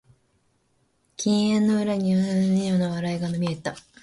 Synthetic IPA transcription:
kʲĩɰ̃ẽ̞nːo̞ɯ̟ɾaɲ̟ionanɯnɯjo̞ːnaβaɾaiɡanomʲie̞t̪ːa

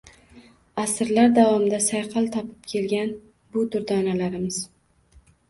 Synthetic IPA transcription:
asɾlaɾd̪avɒmɪd̪asajqʰɑlˠt̪ʰɒpʰɪ̥p̚kʲʰe̞lɡʲan | bʊd̪ʊɾd̪ɒnalaɾɪmɪz̥

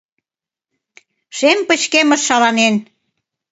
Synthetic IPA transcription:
ʃempə̆t͡ɕkemə̆ʃːɑlɑnen

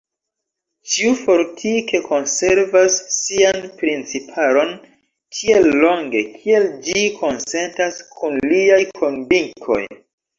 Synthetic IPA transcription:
t͡ʃiufo̞ɾtʰike̞kʰo̞nse̞ɾvasːianpɾint͡sipʰalo̞n | kʰie̞lːo̞ŋɡe̞̰kʰie̞ld͡ʒikʰo̞nse̞ntaskʰunliajkʰo̞nviŋkʰo̞̰j

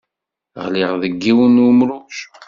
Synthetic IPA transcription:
ʁlɪʁðəɡːiwənumɾuʃ

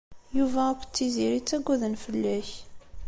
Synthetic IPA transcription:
juvæækːt͡sːiziɾit͡sːæɡʷæðənfəlːæç

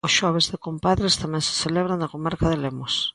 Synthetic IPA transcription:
ʊsʃɔβ̞ezðɪkompaðɾɪst̪amɛ̃ŋsɪ̥seleβɾaŋd̪ɐkomaɾkaðɪlemʊs

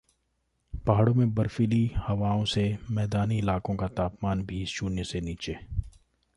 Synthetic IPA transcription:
paɦaːɽõmẽbɐɾfilihɐʋaːõsemɛːd̪aːniɪlaːkõkat̪aːpmaːnbʱiːst͡ʃuːnjəseniːt͡ʃeː

